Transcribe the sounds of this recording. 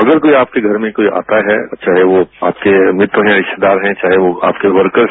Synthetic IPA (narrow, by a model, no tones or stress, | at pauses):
ɐɡəɾkoːiaːp̚keɡʱɐɾmẽkoːiʔa̰ːt̪aɦɛt͡ʃaːɦeʋoaːp̚kemɾɪt̪wəɦɛ̃jaɾɪʃt̪ed̪aːɾɦɛ̃t͡ʃaːɦeʋoa̰ːpkeʋɐɾkəɾ